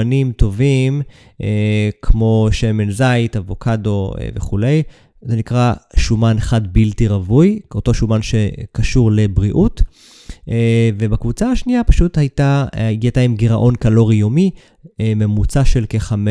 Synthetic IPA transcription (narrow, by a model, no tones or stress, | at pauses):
nimto̞vim | ʔekʰmo̞ʃe̞me̞nzajtavo̞kʰado̞ḛveχule̞j | zenikʁaʃumanχadbiltiʁavujo̞to̞ʃumanʃe̞kaʃuʁle̞bʁiʔut | ve̞bakvut͡saaʃniapaʃuthajtaɡiataimɡiʁaʔo̞nkalo̞ʁijo̞mi | ememut͡saʃe̞lke̞χame